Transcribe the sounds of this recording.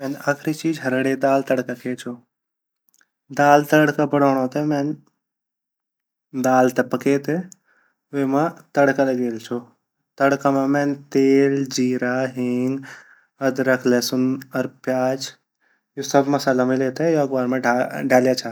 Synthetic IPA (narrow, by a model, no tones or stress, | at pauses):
mɛːnaːkʰɾit͡ʃiːd͡ʒɦɐɾəɽed̪aːlt̪ɐɽkakʰeːt͡ʃʰoː | d̪aːlt̪əɽkabɐɽoːɽ̃õt̪emen | d̪aːlt̪ɐpɐkeːt̪e | mãt̪ɐɽkalɐɡeːlt͡ʃʰo | t̪ɐɽkamãmẽːnt̪eːld͡ʒiːɾaɦɪŋɡ | ɐd̪ɾɐkʰlesʊnɐɾpjaːd͡ʒ | josɐbmɐsaːlamɪlet̪ɛjoɐɡʋaːɾmẽɖɖʱaːljat͡ʃʰaː